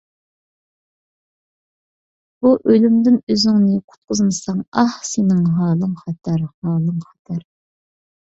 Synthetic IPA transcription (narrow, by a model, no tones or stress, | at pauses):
b̥uʔølymd̪ɪnøzɪŋnɪqʰʊ̥t̪̚qʰʊzmɨsɑŋɑhsenɪŋɦɑːlˠɨŋχɑt̪ʰɑɾhɑːlˠɨŋχɑ̥t̪ʰɑɾ